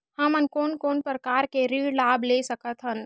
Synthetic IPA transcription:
həmənkoːnkoːnpɾəkaːɾkeɾiːɽlaːblesəkət̪ɦən

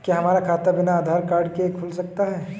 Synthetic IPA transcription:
kiɦɐmaːɾakʰaːt̪abɪnaːd̪ʱaːɾkaːɾɖkeekʰʊlsɐk̚t̪aɦɛː

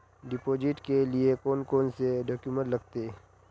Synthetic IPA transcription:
ɖɪpoːd͡ʒɪʈkeliekoːnkoːnseɖɔːkjumə̃ʈlɐɡt̪eː

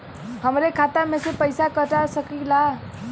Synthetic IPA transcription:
həmɾekʰat̪amesepəjsakəʈasəkila

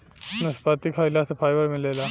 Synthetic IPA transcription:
nəspat̪iːkʰajlaːsəfajʋəɽmilela

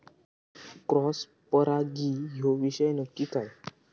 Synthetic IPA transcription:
kɾɔs | pəɾaɡiɦoʋiɕəjnukːik̪ʰaj

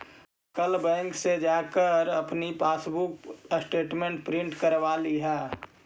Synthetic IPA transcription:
kəlbɛ̃ːŋksed͡ʒaːkəɾɐpnipaːsbuksʈeːʈmẽɳʈ̚pɾɪ̃ɳʈkəɾʋaːliɦɛː

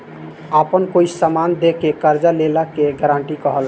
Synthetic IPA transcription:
əpənkoisamand̪ekekəɾd͡ʒalelakeɡəɾaɳʈikəɦəl

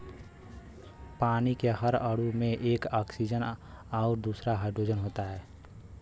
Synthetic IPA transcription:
paːnikeɦəɾəɽumẽʔeːkaːksid͡ʒənaʊɾd̪uːsɾaɦəɖod͡ʒənɦoːt̪aɦɛː

